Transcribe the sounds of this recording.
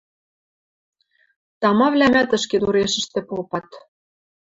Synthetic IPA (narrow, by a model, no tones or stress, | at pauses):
t̪ɑmɑβlʲæmæt̪ə̆ʃket̪uɾeʃɘ̆ʃt̪ĕpolpɑt̪